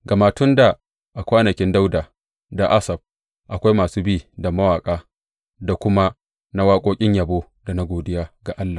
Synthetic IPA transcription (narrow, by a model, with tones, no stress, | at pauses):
ɡa˨maː˨tʊ˦nda˨ | ʔa˨kʷaː˦nɐ˨kʲɪ˦nda˦wdaː˨ | da˨ʔa˦sɐ˨b̚ | ʔa˨kʷa˦jmaː˨suː˦biː˦˨da˨mɐ˦waː˨kʼaː˦ | da˨kʷʊ˦ma˦ | na˦waː˦kʷʼoː˦kʲʼɪ˦ɲjɐ˨boː˦ | da˨na˦ɡʷoː˨dɪ˦jaː˦ɡa˨ʔa˦lːaː˨